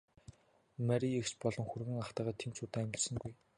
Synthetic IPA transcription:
mæɾʲiext͡ɕpɔɮɞ̆ŋxurɣɘ̆ŋaχt̪æːʁaːt̪ʰemt͡ɕʰʊːt̪aːæmɡʲɪ̆rsɘ̆ŋɡuj

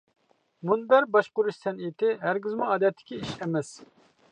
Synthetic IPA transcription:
munb̪æɾbɑʃqʊɾuʃt̪ʰɛnit̪ʰɪɦæɾɡʲizmuɑːd̪ɛt̪ʰːɪ̥kʲiiʃɛmɛs

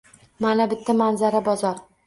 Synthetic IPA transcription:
manabɪt̪ʰːamanzaɾabɒzɒɾ

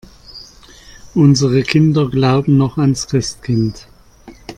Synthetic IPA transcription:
ʔʊnzəʁəkʰɪndɐɡlaʊbm̩nɔχanskʁ̥ɪstkʰɪnt

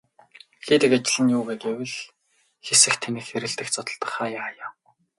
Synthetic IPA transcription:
xeːt̪ɘ̆kat͡ɕɪ̆ɮɘ̆njuːɣeːɡewɘ̆ɮ | xesɘ̆xt̪ʰenɘ̆xeɾɘ̆ɬt̪ɘ̆xt͡sɔt̪ɞ̆ɮt̪ə̆χaːjaːjaː

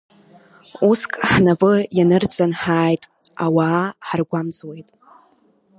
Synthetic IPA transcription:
uskʼħnavɨjanɨrt͡sʼanħaːjtʼ | awaːħarɡʷamzwe̞jtʼ

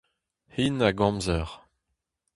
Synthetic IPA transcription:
hinaɡɑ̃mzœʁ

